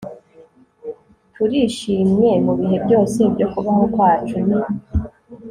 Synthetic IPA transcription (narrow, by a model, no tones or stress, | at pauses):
tuɾiːʃiːmɲe̞muβihe̞bɟo̞ːse̞bɟo̞kuβaho̞kwaːt͡ʃuna